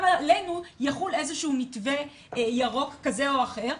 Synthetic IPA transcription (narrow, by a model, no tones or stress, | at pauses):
vallejnujaχulezeʃuumitve | jaʁo̞kːaze̞o̞aχe̞ʁ